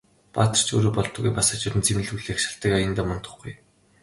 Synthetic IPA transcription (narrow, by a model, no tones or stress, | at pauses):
paːt̪ə̆r̥t͡ɕʰoːɾoːpɔɮt̪ɞ̆ɣɡujpasăːt͡ɕʊt̪ɘ̆nt͡semɘ̆ɮuɮeːxʃḁɬt̪ə̆kajə̆nt̪aːmɔnt̪ɞ̥̆χɡṵj